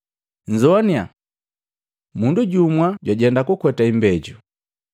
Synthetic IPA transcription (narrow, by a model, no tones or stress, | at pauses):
ɲzɔnia̰ | munduɟumwaɟwaɟɛndakukwɛtaimbɛɟu